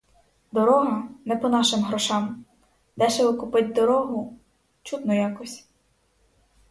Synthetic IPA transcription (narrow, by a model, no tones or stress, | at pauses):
d̪ɔɾɔɦɐnɛpɔnɑʃɪmɦɾɔʃɑm | d̪ɛʃɛʋɪkʊpɪt̚ʲd̪ɔɾɔɦʊ | t͡ʃut̪nɔjɑkɔsʲ